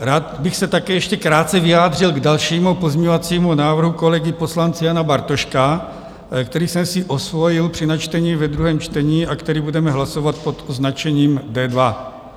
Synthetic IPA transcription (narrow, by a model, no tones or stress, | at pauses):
ɾaːt̪bɪxsɛt̪akɛːjɛʃcɛkɾaːt̪t͡sɛvɪjaːd̪r̝ɪlɡdalʃiːmupo̞zmɲɛɲovat͡siːmunaːvr̩ɦuko̞lɛɡɪpo̞slant͡sɪjanabaɾt̪oʃka | kt̪ɛɾiːsɛmsɪʔo̞svo̞jɪlpr̥ɪnat͡ʃt̪ɛɲivɛd̪ɾuɦɛːmt͡ʃt̪ɛɲiːʔakt̪ɛɾiːbudɛmɛɦlasovat̪̚po̞t̪ʔoznat͡ʃɛɲiːmdɛːdva